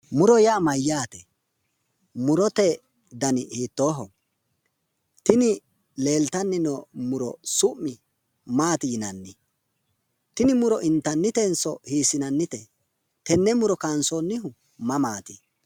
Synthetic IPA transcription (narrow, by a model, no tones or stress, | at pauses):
mʊɾɔjamɐjːaːt̪ɛ | mʊɾɔt̪ɛ | d̪ɐnɪhiːt̪ːoːɦɔ̰ | t̪ɪnɪ | le̞ːlt̪ɐnːɪnɔmʊɾɔ̰sʊʔːɪ | maːt̪ɪjɪnɐnːɪ | t̪ɪnɪmʊɾɔʔɪnt̪ːɐnːɪt̪ɛnsɔhiːsɪnɐnːɪt̪ɛ | t̪ɛnːɛmʊɾɔkansonːɪɦʊ | mɐmaːt̪ɪ